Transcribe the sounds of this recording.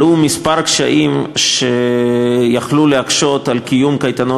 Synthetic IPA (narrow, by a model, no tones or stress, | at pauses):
umispaʁkʃa̰ʔimʃe | jaχluleakʃo̞t̪alkijumkajt̪ano